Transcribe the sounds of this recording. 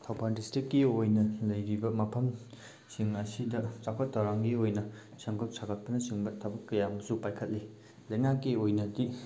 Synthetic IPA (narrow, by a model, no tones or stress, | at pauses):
tʰawpʰandistɾikːiojnɐlɐjɾibɐmɐpʰɐm | siŋɐsidɐt͡ʃakʰɐtːawɾaŋɡiojnɐ | sɐŋɡɐp̚sʰakʰɐt̚pɐnɐsiŋbɐtʰɐbɐkːɐjambɐsupajkʰɐt̚li | lɐjŋakːiojnɐdi